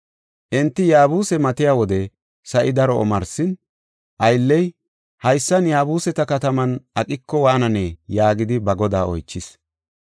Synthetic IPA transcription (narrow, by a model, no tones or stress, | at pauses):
ʔɪnt̪ːɪjaːbuːsɛmɐt̪ɪjaːwɔd̪ɛ | sɐʔɪd̪ɐɾɔɔ̰mɐɾsɪn | ʔɐjlːɛj | hɐjsːɐnjaːbuːsɛt̪ɐkɐt̪ɐmɐnɐkʼɪkːɔwaːnɐnejaːɡɪd̪ɪbɐɡɔd̪aːɔ̰jt͡ʃːɪs